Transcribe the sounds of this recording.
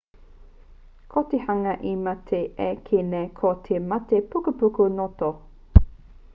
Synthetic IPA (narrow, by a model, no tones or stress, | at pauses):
kʰotehɐŋɐʔimɐtʰeʔekʰenekʰotʰemɐtepukupukunoto